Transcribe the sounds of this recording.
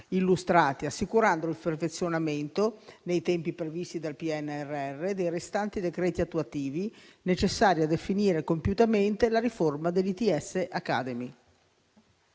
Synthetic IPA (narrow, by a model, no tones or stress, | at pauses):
ilːust̪ɾaːt̪iasːikuɾand̪oilperfet̪sːjonament̪onejt̪ɛmpipɾevist̪id̪alpiɛnːɛrːeɛrːed̪ejɾest̪ant̪id̪ekɾɛːt̪iat̪ːuat̪iːvinet͡ʃesːaːɾjad̪efiniːɾekompjut̪ament̪elaɾiformad̪elːit̪iɛsːeʔakːa̰d̪emi